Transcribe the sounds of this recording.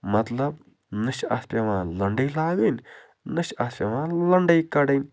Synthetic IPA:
mɐt̪lɐb | nɨʃa̰spɐʋãːlɐɳɖɐjlaːɡin | nɨʃaspʲɐʋãːlɐɳɖɐjkɐɽɐnʲ

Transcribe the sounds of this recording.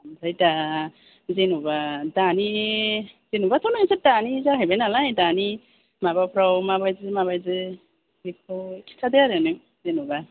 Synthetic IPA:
ampʰɾajda | zenubadani | zenubatʰɔwnaŋsadanizaɦajbenalajdani | mabapʰɾawmabajzɯmaβajzɯ | bik̚ʰawkʰi̥tʰadejaɾɯnɯŋ̚ | zenuba

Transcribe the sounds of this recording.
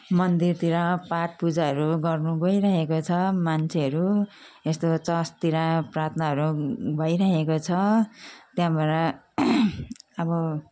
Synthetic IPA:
mʌnd̪irt̪iɾãpaʈ̚pud͡zaɦʌɾuɡʌrnuɡʌjɾaɦekot͡sʰʌmant͡sʰeʌɾu | est̪ot͡sʌst̪iɾãprat̪ʰnaɦʌɾubʱʌjɾaɦekot͡sʰʌt̪jãbʱʌɾa | ʌbʌ

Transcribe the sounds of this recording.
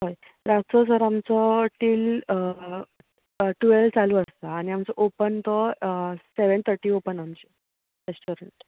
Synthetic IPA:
ɦoj | ɾat͡səsəɾamt͡sɔʈiːl | ʈuelt͡saluːəst̪aːñiamt͡sɔʔopənt̪ɔseʋəɳt̪ʰəɾʈiːopənamt͡ɕi | ɾesʈuɾəɳʈ

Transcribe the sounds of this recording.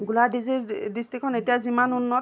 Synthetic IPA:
ɡuladizidistikʰɔnetijazimanunːɔ

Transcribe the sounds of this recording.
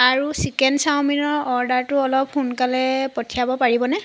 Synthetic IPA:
aɹusikɛndsawminɔɹɔɹdaɹtʊɔlɔp̚xunkalɛpɔtʰijabɔpaɹibɔnɛ

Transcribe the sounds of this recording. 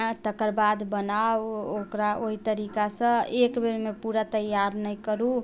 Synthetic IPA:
t̪əkəɾbad̪bənawokɾaʔoɦit̪əɾikasə̃ekbeɾmepuɾat̪əjːaɾnəjkəɾu

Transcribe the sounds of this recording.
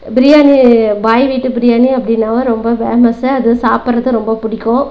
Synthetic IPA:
bɪɾɪjaːnibaːjʋiːʈːɯbɪɾɪjaːniɐpːɐɽɪnːaːʋɐɾɔmbɐbeːmɐsɯɐðɯsaːpɯɾɐðɯɾɔmbɐpʊɽɪkːõ

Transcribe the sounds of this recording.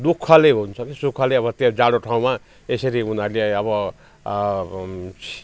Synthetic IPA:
d̪ukʰːʌleɦunt͡sʰʌkesukʰːʌleʌbʌt̪ed͡zaɽoʈʰaw̃ma | esʌɾiunʌɾleʌbʌ

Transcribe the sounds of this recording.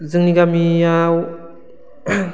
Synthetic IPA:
zɯŋniɡamiaw

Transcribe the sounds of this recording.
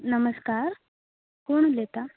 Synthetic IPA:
nəməskaːɾ | koɳulet̪a

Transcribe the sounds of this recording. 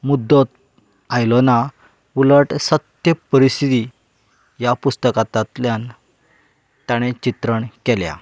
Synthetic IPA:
mud̪ːɔt̪ | ajlɔna | uləʈsət̪jəpəɾist̪it̪i | japust̪əkat̪at̪ljan | t̪aɽ̃et͡ɕit̪ɾəɳkɛlja̰

